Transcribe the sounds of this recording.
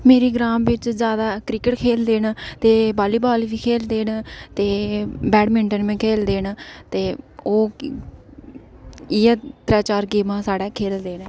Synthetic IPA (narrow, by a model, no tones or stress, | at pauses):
meːɾiːɡɾaːmʋɪt͡ʃzjaːd̪aːkɾɪkəʈkʰeːld̪eːnt̪eːbaːliːbaːlʋiːkʰeːld̪eːnt̪eːbɛːɖmɪɳʈənmẽːkʰeːld̪eːnt̪eːoː | ɪɛːt̪ɾɛːt͡ʃaːɾɡiːmãːsaːɽɛːkʰeːld̪eːnː